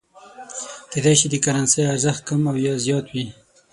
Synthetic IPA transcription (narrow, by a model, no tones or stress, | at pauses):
ked̪ɑjʃid̪əkaɾansejaɾzaxt̪̚kamawjɑzjɑt̪wi